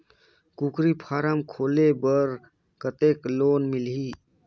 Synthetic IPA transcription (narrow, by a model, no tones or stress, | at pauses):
kukɾipʰaːɾamkʰoːlebəɾ | kət̪eːkloːnmilɦi